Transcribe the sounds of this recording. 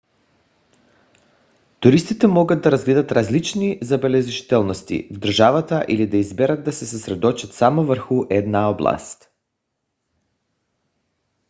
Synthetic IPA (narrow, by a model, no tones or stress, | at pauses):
t̪uɾist̪it̪ɛmɔɡad̪̚d̪aɾazɡlɛd̪at̪ɾazlit͡ʃnizabɛlɛʒiʒt̪ɛlˠnost̪ḭvd̪əɾʒavat̪aʔilid̪aizbɛɾad̪ːasɛsɛsɾɛd̪ɔt͡ʃat̪samɔvəɾxuʔɛd̪naɔblˠa̰st̪